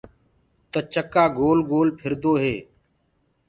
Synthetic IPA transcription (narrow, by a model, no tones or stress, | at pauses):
t̪ət͡ʃəkaːɡoːlɡoːlpʰɪɾd̪oːɦeː